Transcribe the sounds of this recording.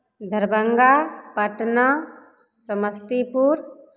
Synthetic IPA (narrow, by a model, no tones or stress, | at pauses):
d̪ʱəɾbəŋɡapəʈna | səməst̪ipuɾ